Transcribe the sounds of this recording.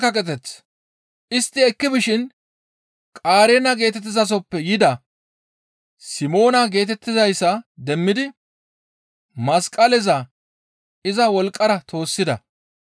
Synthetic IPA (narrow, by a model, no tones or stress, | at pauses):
kːɐkʼɛt̪ɛt͡s | ʔɪst̪ːɪɛkːɪbɪʃɪn | kʼaːɾɛnɐɡe̞ːt̪ɛt̪ːɪzɐs̬ɔpːɛjɪd̪ɐ | sɪmo̞ːnɐɡe̞ːt̪ɛt̪ːɪzɐjsːɐd̪ɛmːɪd̪ɪ | mɐskʼɐlɛzɐ | ɪzɐwɔlkʼːɐɾɐt̪ʰo̞ːsːɪd̪ɐ̰